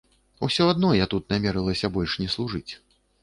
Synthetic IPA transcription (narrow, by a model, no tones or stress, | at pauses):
ṵsʲɔad̪nɔjat̪ut̪namʲɛɾɨlˠɐsʲɐbɔlʲʂnʲɛslˠuʐɨt͡sʲ